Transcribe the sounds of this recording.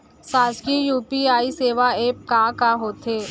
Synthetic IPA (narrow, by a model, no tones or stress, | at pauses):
saːzkijuːpiaːiseːʋaeːp̚kaːkaɦoːt̪eː